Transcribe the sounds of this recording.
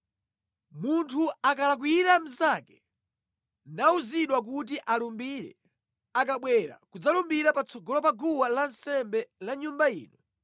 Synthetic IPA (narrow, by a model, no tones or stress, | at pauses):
muntʰuakalak̬wujiɾam̩zakɛ̥ | nauziɗwak̬ut̬iʔalumbiɾɛ̰ | akaɓwɛɾa̰kud͡zalumbiɾapat͡sʰɔɡɔlɔpaɡuwalansɛmbɛlaɲumbaḭːnɔ